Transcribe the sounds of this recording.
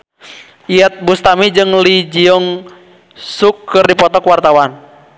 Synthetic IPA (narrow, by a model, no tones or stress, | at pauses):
iat̪̚bust̪amid͡ʒɨŋlid͡ʒiɔŋ | sukːɨrdipɔt̪ɔkwart̪awan